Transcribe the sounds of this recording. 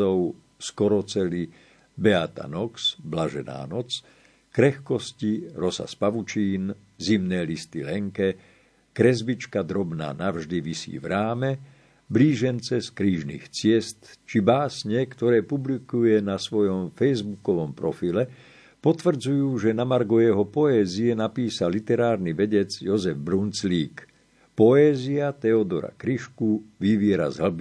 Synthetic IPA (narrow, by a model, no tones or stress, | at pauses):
ɔʊ | skɔɾɔt͡sɛli | bɛat̪a̰nɔksblaʒɛ̰na̰ːnɔt͡s | kɾɛxkɔsciɾɔsa̰spaʋut͡ʃiːn | zimnɛːlist̪ilɛŋkɛ | kɾɛzbit͡ʃkad̪ɾɔbna̰ːnavʒd̪iʋisḭːvɾaːmɛ | bliːʒɛnt͡sɛskɾiːʒnḭːxt͡sɪɛst̪t͡ʃibaːsɲɛkt̪ɔɾɛːpublikujɛnasʋɔjɔmfɛjzbukɔʋɔmpɾɔfilɛ | pɔt̪ʋr̩d͡zujuːʒɛnamaɾɡɔjɛɦɔpɔɛːziɛnapiːsalit̪ɛɾaːɾniʋɛɟɛd͡zjɔzɛvbɾunt͡sliːk | pɔɛːziat̪ɛɔd̪ɔɾa̰kɾiʃkuʋiʋɪɛɾa̰zɦl̩bi